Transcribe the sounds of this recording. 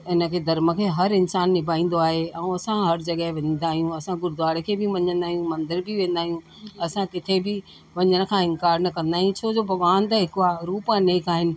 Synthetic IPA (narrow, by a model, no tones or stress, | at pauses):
ɪnə̆kʰeːd̪ɐɾmə̆kʰeːɦɐɾɪnsaːnːɪbʱaːĩːn̆d̪oaːɦeɛũɐsãɦɐɾd͡ʑɐɠəɦʋẽːn̆d̪aːɦijũɐsãɡʊɾd̪ʋaːɽekʰeːbɪʋɐ̃ɲə̃nd̪aːɦijũmɐ̃nd̪ɪɾbʱɪʋẽːn̆d̪aːɦijũ | ɐsãkɪt̪ʰebɪ | ʋɐɲəɽ̃ə̆kʰãːɪ̃ŋkaːɾnɐkɐ̃nd̪aːɦijũt͡ɕʰod͡ʑoːbʱɐʋʋaːnt̪ɐɦɪkʊaːɾuːpãneːkaːɦɪnɪ̆